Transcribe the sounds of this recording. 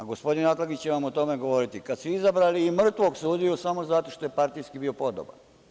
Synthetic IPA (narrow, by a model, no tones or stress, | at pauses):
aɡo̞spo̞d̪inat̪laɡit͡ɕt͡ɕeʋamot̪o̞meɡo̞ʋo̞ɾit̪ikad̪sʋiizabɾaliːmr̩t̪ʋo̞ɡsuːd̪iusamo̞zat̪o̞ʃt̪o̞je̞paɾt̪ijskibio̞po̞d̪o̰ba̰n